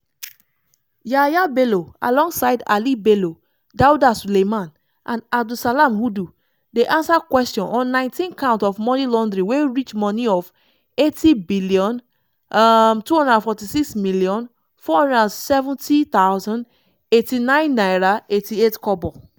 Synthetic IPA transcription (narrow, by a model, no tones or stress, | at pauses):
jajabeloa̰lɔ̃ŋɡsaɪda̰libelo | daudasulemãn | ʔãnab̚dusalamhudu | deʔãnsakwɛstjɔ̃nɔ̃nːãɪ̃ntĩnkãʊ̃ntɔfmɔnilɔ̃ndɹĩweɹit͡ʃmɔniɔf | etibiliɔ̃n | tuhɔ̃ndədãnfɔtisiksmiliɔ̃n | fɔhɔ̃ndadãnsɛvũntʰit̪aʊzɔ̃nd | etinãɪ̃nːajɹaetietkɔbɔ